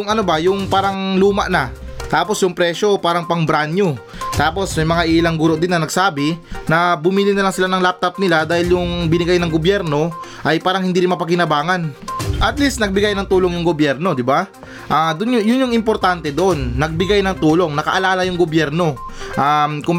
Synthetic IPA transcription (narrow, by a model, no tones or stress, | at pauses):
ʊŋʔɐnobɐjʊŋpaːɾɐŋluːmɐʔnɐt̪aːpo̞sjʊŋpɾɛʃo̞paːɾɐŋpɐŋbɾanjot̪aːpo̞smɐjmɐŋaʔiːlɐŋɡuːɾo̞ʔd̪ɪnːɐnɐɡsaːbɪnɐbʊmiːlɪnɐlaŋsɪlanɐŋlap̚t̪ɐp̚nɪlad̪aːhɪljʊŋbɪnɪɡajnɐŋɡobjɛɾno̞ | ʔɐjpaːɾɐŋhɪnd̪iːɾɪnmɐpɐkɪnɐbaːŋɐnʔɐt̪list̪nɐɡ̚bɪɡajnɐŋt̪uːloŋjʊŋɡobjɛɾno̞d̪ɪba | ʔad̪ʊnjʊjʊnjʊŋɪmpo̞ɾt̪ant̪ɛd̪oʔo̞nːɐɡ̚bɪɡajnɐŋt̪uːlo̞ŋnɐkɐ̰ʔɐlaːlɐjʊŋɡobjɛɾno̞ʔamkʊ